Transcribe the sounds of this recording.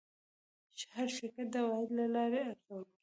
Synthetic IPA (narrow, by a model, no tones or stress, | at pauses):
t͡ʃhaɾʃɪkat̪̚d̪awɑɦɪd̪lalɑɾeaɾxawəlki